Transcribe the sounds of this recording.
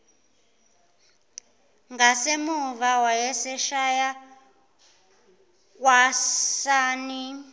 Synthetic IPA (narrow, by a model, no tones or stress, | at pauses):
ŋɡasemuvawajɛsɛʃaja | k̬ʼwasaːni